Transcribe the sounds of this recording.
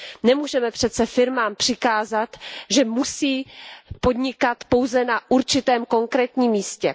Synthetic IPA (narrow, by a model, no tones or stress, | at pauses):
nɛmuːʒɛmɛpr̝̥ɛt̪t͡sɛfɪɾmaːmpr̝̥ɪkaːzat̪ʒɛmusiːpo̞d̪ɲɪkat̪po̞wzɛnaʔuɾt͡ʃɪt̪ɛːmko̞ŋkɾɛːt̪ɲiːmːiːscɛ